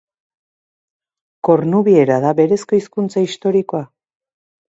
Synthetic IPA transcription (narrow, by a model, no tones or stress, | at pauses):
ko̞ɾnuβie̞ɾaðaβe̞ɾe̞sko̞iskunt͡saist̪o̞ɾiko̞a